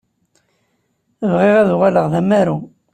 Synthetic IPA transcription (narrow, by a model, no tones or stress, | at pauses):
əvʁɪʁæðuʁaləʁðæmæɾu